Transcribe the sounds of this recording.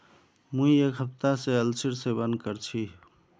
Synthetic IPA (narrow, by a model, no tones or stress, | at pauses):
mũiekɦəp̚t̪aseəlsʰiɾsebənd̪kəɾt͡ʃʰi